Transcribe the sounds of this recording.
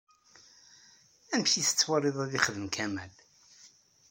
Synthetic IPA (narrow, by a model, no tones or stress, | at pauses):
æmçisə̥t͡sːwərˤːeðˤæðiχəðəmkʰæmæl